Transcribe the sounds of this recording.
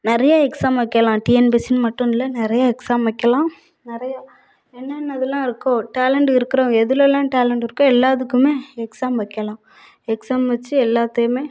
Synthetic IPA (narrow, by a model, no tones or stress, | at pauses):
nɪɾɐjaːɛksaːmʋɐkːɐlãːʈiːɛnbisɪnmɐʈːʊ̃nɪlːɐnɪɾɐjaːɛksaːmʋɐkːɐlãː | nɪɾɐjaː | ɛnːɐnːɐðɯlãːɪɾɯkːõːʈaːlɐɳɖɪɾɯkːɪɾõːɛðɯlɐlãːʈaːlɛɳɖɪɾɯkːõːɛlːaːðɯkːɯmeːɛksaːmʋɐkːɐlãː | ɛksaːmʋɐt͡ʃːɯɛlːaːt̪ːɯjɯmeː